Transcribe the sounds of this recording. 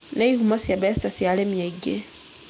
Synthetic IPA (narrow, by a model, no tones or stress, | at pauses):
nɛihumasiabɛsasialɛmiɛɡɛ